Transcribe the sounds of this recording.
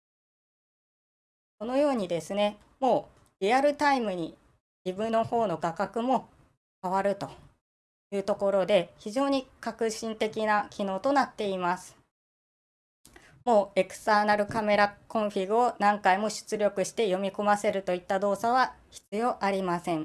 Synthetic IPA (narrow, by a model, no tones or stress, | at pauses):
ko̞no̞jo̞ːɲ̟id̪e̞sɨne̞ | mo̞ː | ɾʲiaɾɯ̟t̪aimɯ̟ɲ̟i | d͡ʑibɯ̟̃nːo̞ho̞ːno̞ɡakakɯ̟mo̞ | kaβ̞aɾɯ̟t̪o̞ | jɯ̟ːt̪o̞ko̞ɾo̞d̪e̞çiʑo̞ːɲ̟ikakɯ̟ɕĩnt̪e̞kʲinakʲino̞ːt̪o̞nat̪ːe̞imasɨ̥ | mo̞ːe̞kɯ̟̥st̪aːnaɾɯ̟kame̞ɾakõ̞ɰ̃ɸʲiɡɯ̟o̞nãŋkaimo̞ɕɨ̥t͡sɨɾʲo̞kɯ̟ɕi̥t̪e̞jo̞mʲiko̞mase̞ɾɯ̟t̪o̞it̪ːad̪o̞ːsaβaçi̥t͡sɨjo̞ːʔaɾʲimasẽ̞ɴ